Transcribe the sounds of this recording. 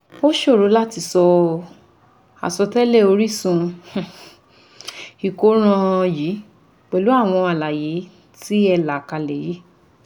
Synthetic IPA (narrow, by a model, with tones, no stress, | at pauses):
bo˦ʃo˦˨ɾo˨˦la˦ti˧sɔ˧ | a̰˨sɔ˧tɛ˦le˦˨o˧ɾi˦sũ˧h̩˨ | i˨ko˨˦ɾ̃ã˧ji˨˦ | k͡pɛ˨lu˨˦a˦˨w̃ɔ̃˧a˨la˨je˨˦ | ti˦ɛ˧la˨ka˨˧lɛ˨je˨˦